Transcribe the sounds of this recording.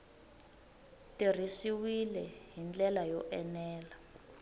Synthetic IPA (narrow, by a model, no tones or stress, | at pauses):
tir̤isiwilɛɦind͡ɮɛlajɔʔɛnɛːla